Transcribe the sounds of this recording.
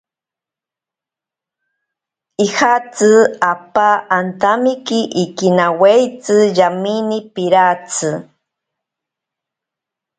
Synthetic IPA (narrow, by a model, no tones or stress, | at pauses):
ihat͡sɨapaːnt̪amikiʔːkinawejt͡sɨjaminipiɾat͡sɨ